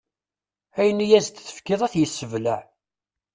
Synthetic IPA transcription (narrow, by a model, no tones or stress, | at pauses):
æjənːijæzt̪θə̥fkːɪðˤæθjəsːəvlæʕ